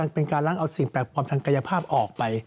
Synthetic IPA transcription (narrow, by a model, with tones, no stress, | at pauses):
a˧ŋpe˧nkaː˧nla˥˩ŋʔa˧wsi˨˩˦ŋpɛː˨˩t̪̚kʰaː˧mt̪ʰŋka˧ja˧pʰaː˥˩p̚ʔɔː˨˩k̚pa˧j